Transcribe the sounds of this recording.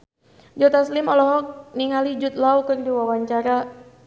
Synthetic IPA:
d͡ʒɔt̪aslimɔlɔɦɔk̚niŋalid͡ʒʊt̪̚laukɨrdiwawaɲt͡ʃaɾa

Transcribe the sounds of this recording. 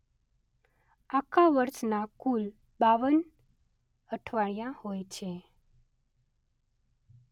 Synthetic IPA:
akʰaʋəɾt͡ʃnakul | baʋən | əʈʰʋaɭjãhojt͡ʃʰe

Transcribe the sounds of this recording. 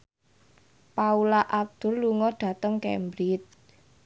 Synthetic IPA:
paulaʔab̚d̪̥ʊ̤rluŋɔɖ̥ä̤t̪əŋkɛ̰mbɾit̪̚

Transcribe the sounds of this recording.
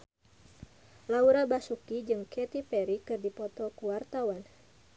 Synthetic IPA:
lauɾabasukid͡ʒɨŋkɛt̪ipɛɾikɨrdipɔt̪ɔkuwart̪awan

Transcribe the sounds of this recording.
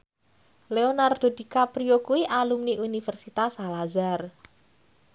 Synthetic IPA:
leonard̪̥o̤d̪̥i̤kapɾiokuiʔalumniʔunifərsit̪asalazar

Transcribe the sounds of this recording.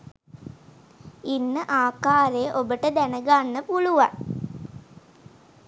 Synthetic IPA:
inːəʔaːkaːɾejəʔobəʈəd̪ænəɡanːəpuluʋa

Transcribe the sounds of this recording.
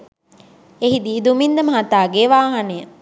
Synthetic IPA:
eɦid̪iːd̪umind̪əməɦat̪aːɡeːʋaːɦanejə

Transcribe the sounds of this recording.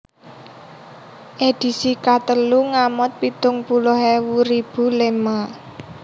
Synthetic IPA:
ʔed̪̥i̤sikat̪əluŋamɔt̪̚pit̪ʊŋpulʊhewuɾib̥ṳlema

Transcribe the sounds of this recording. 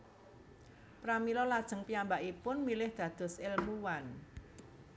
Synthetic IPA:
pɾamilɔlad̥ʒ̥ə̤ŋpiambaʔipʊnmilɪhd̪̥ä̤d̪̥ɔ̤sɪlmuwan

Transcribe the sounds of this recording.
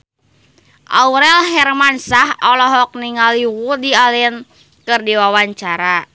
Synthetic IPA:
ʔa̰uɾɛlɦɛrmansahɔlɔɦɔk̚niŋaliwudialiən | kɨrdiwawaɲt͡ʃaɾa

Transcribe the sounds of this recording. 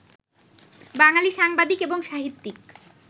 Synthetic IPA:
baŋaliʃaŋbad̪ikeboŋʃaɦit̪ːik

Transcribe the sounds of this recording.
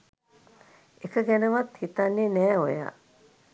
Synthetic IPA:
ekəɡenɐʋɐt̪hit̪ɐnːenɛːoja̰ː

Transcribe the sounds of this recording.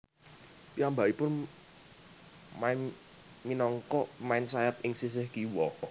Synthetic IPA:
piambaʔipʊn | maɪn | minɔŋkɔʔmaɪnsajap̪̚ʔɪŋsis̬ɪhkiwɔ

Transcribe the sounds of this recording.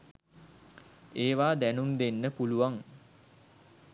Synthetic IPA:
eːʋaːd̪ænund̪enːəpuluʋaŋ

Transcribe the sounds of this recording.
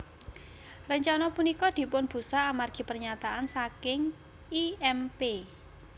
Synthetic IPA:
rəɲt͡ʃɔnɔpunikɔd̪̥i̤pʊnb̥ṳsaːmarɡ̥i̤pərɲat̪aansakɪŋ | iɛmpe

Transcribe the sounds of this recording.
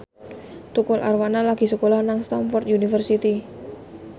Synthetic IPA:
t̪ukʊlʔa̰rwanalaɡ̥i̤səkolahnaŋst̪amfɔrt̪̚junifərsit̪i

